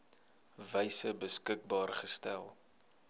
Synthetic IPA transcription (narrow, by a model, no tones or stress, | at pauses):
vəjsəbəskək̚bɑːrχəstæ̰lˠ